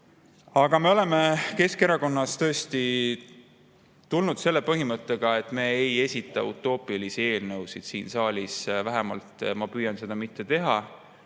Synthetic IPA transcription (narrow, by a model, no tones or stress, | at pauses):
ɑɡ̥ɑme̞o̞le̞me̞ke̞ske̞ɾɑko̞nːɑst̪ɤ̞ːst̪i | t̪ulnud̪̥se̞lːe̞pɤɦimɤt̪ˑːe̞ɡ̥ɑe̞t̪ːˑme̞eje̞sʲit̪ˑːɑ̰ṵt̪ːˑo̞ːpˑiɑlisie̞ːlnɤwsid̪̥siːnsɑːlʲisvæɦɛmɑ̰lt̪mɑpyːjɑnse̞d̪̥ɑmit̪ːˑe̞t̪e̞ɦɑ